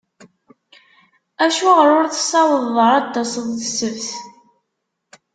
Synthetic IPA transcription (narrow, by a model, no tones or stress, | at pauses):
æʃuʁɾʊɾθə̥sɑwəðˤəɾˤɑt̪ːɑsəðˤθəsəvθ